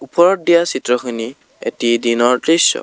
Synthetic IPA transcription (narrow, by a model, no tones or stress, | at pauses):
upɔɹɔt̚dijasitɹɔxʰini | ḛtidinɔɹtɹisːɔ̰